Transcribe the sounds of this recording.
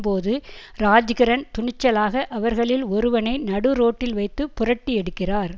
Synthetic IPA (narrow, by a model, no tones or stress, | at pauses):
poːðɯɾaːd͡ʒɣɐɾɐnt̪ʊɳɪt͡ʃːɐlaːɣɐʔɐʋɐɾɣɐɭɪlɔɾɯʋɐnɐɪnɐɽɯɾoːʈːɪlʋɐɪt̪ːɯpːʊrɐʈːiɛɽɯkːɪraːɾ